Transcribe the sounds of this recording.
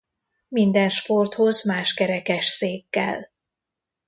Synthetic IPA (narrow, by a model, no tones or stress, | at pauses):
mind̪ɛnʃpo̞rt̪ho̞zmaːʃkɛɾɛkɛʃseːkːɛ̰l